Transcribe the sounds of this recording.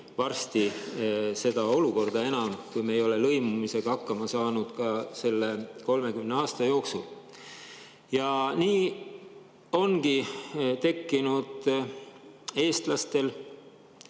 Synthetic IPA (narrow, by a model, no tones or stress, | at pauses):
vɑrst̪i | se̞d̪̥ɑo̞luko̞rd̪̥ɑe̞nɑmkujmeːjo̞le̞lɤjmumise̞ɡ̥ɑɑkːɑmɑsɑːnud̪̥kɑse̞lːe̞ko̞lme̞kymneɑːst̪ɑjo̞ːksul | jɑniː | o̞nɡ̥it̪e̞kːinud̪̥ | e̞ːst̪lɑst̪e̞l